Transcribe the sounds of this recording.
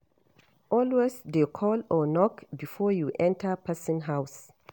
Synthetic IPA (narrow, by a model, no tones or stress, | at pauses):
ʔɔlwesdekʰɔlɔnɔkbifɔjuʔɛ̃ntʰəpʰɛsɔ̃nɦaws